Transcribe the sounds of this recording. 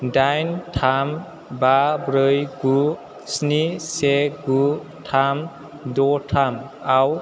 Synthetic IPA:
dajntʰam | babɾɯjɡu | sniseɡu | tʰam | dɔtʰam | aw

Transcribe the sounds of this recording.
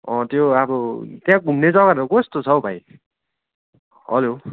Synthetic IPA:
ʌ̃t̪joabʌt̪jãɡʱumned͡zʌɡʌɾɾoɡost̪ot͡sʰʌbʱaj | ʌ̰lo

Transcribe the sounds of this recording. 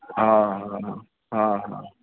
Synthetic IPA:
ɦãɦãɦã | ɦãɦã̰

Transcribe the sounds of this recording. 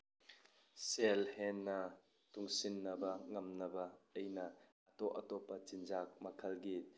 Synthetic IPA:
sɛlhɛnːɐ | t̪ʊŋsinːɐbɐŋɐmnɐbɐɐjnɐʔɐt̪ɔʔɐt̪ɔpɐt͡ʃinzak̚mɐkʰɐlɡit̪̚

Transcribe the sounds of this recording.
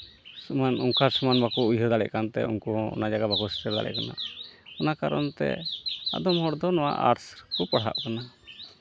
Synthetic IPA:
sumanuŋkaɾsumanbakɔujɦɔɾd̪alɛ̰ʔkant̪ɛ̰unkɔɔ̰nad͡ʒaɡabakɔstɛɾd̪a̰lɛ̰ʔkana̰ɔnakaɾɔnt̪ɛ̰a̰d̪ɔmɦɔɽd̪ɔnɔwa̰ʔa̰ɾskɔpaɽ̤a̰ʔkana

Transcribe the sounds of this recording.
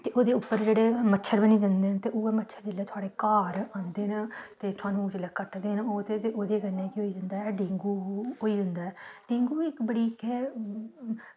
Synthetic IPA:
t̪eːʔoːd̪eːʊpːəɾd͡ʒeːɽeːmətːʃʰəɾbəniːd͡ʒãnd̪eːnt̪eːʔoːɛːmətːʃʰəɾd͡ʒɪleːt̪ʊaːɽeːkaːɾãːnd̪eːnt̪eːt̪ʰʊaːnũːt͡ʃɪləkəʈd̪eːnoːt̪et̪eːʔoːd̪eːɡəneːkɪɦoːiːd͡ʒənd̪aːɦɛːɖẽːŋɡuːoːiːd̪ɪnd̪aːɛːɖeːŋɡuːɪkbəɽiːkɛ

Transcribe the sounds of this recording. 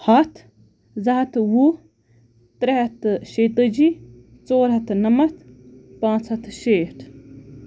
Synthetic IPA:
hɐt̪ʰ | zɐɦɐt̪wu | t̪ɾeɦɐt̪ʃeːt̪ɐd͡ʒi | t͡soːɾɦɐt̪nɐmɐt̪pãːt͡sʰɐt̪ʰʃeːʈʰ

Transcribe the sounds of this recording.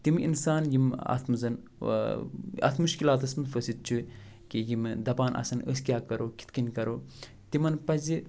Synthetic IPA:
t̪imḭnsaːnjimɐ̰t̪ʰmɨzɐn | ɐ̰t̪ʰmuʃkilaːt̪ɐsmɨfəsit̪̚t͡ʃʰu | kijimd̪ɐbaːnʔɐ̰sɐnə̰sʲkʲjaːkɐɾoːkʰʲi̥t̪kɐnʲkɐɾoː | t̪imɐnpɐzʲi

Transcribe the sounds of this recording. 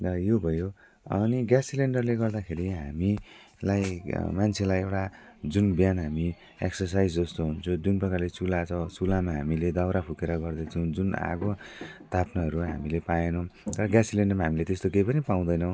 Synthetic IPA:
ʌjobʱʌjo | ʌ̰niɡjasileɳɖʌrleɡʌrd̪akʰeɾiɦami | lajmant͡sʰelajewʈa | d͡zunbjanɦami | ḛksʌrs̬ajd͡zd͡zʌst̪oɦunt͡sʰʌd͡zunpʌkalet͡sulat͡sʰʌt͡sulamaɦamiled̪awɾapʰukeɾʌɡʌrd̪ʌt͡sʰʌw̃d͡zuna̰ɡot̪ʰapnʌɦʌɾuɦamilepajenʌwt̪ʌɾʌɡjasileɳɖʌrmaɦamilet̪est̪okejpʌnipaw̃d̪ʌjnʌw̃

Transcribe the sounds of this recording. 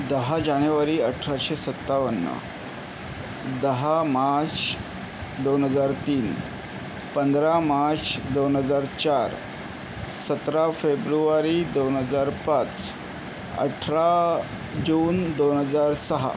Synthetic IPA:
d̪əɦad͡ʑanjuʋaɾiːəʈʰɾaɕesət̪ːaʋənːə̰ | d̪əɦamaɾt͡s | d̪onɦəd͡zaɾt̪iːn | pənd̪ɾamaɾt͡sd̪onɦəd͡zaɾt͡ɕaɾ | sət̪ɾafebɾuʋaɾiːd̪onɦəd͡zaɾpãt͡s | ə̰ʈʰɾa | d͡ʑuːnd̪onɦəd͡zaɾsəɦa̰

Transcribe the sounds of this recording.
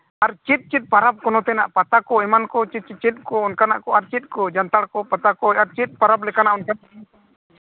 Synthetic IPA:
aɾt͡ʃit̪̚ˀt͡ʃit̪̚paɾap̚kɔnɔt̪ɛnaʔpat̪akɔɛmankɔt͡ʃit͡ʃit̪̚kɔɔnkanaʔkɔaɾt͡ʃit̪̚ˀkɔd͡ʒant̪aɽkɔpat̪akɔaɾt͡ʃit̪̚paɾaplɛkanaʔɔnka

